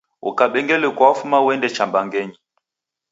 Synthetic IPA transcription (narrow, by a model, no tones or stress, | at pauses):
ṵkaɓɛŋɡɛlɛkwafumawɛndɛt͡ʃambaŋɡɛɲi